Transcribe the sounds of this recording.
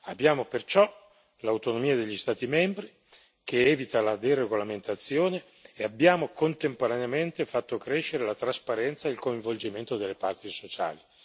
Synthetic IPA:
abːjaːmopert͡ʃɔ | lawt̪onomiːad̪eʎːist̪aːt̪imɛmbɾi | k̟eɛːvit̪alad̪ereɡolament̪at̪sːjoːne | eabːjaːmokont̪empoɾaneament̪efat̪ːokɾeʃːeɾelat̪ɾaspaɾɛnt̪saeilkoiɱvold͡ʒiment̪od̪elːepart̪isot͡ʃa̰ːli

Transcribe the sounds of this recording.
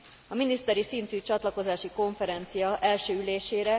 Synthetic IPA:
ɒminist̪ɛɾisint̪yːt͡ʃɒt̪lɒko̞zaːʃiko̞ɱfɛɾɛnt̪sijɒʔɛlʃøːyleːʃeːɾɛ

